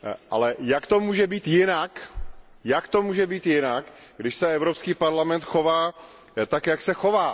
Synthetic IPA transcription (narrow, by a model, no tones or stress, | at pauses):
ʔa̰lɛjakt̪o̞muːʒɛbiːt̪jɪnak | jakt̪o̞muːʒɛbiːt̪jɪnak | ɡdɪʃsɛɛvɾopskiːpaɾlamɛnt̪xovaː | t̪akjaksɛxo̞vaː